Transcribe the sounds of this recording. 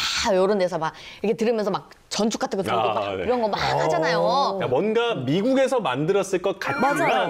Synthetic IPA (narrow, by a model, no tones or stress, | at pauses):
joɾondesʰʌmak̚ʌkʰetɯɾɯmjʌnsʰʌmak̚ | t͡ɕʌnt͡ɕʰuk͈atʰɯɡotoaiɾʌnɡʌmakhad͡ʑanajoamwʌnɡamiɡuɡe̞sʰʌmandɯɾʌs͈ɯɭk͈ʌt̚k͈aaaa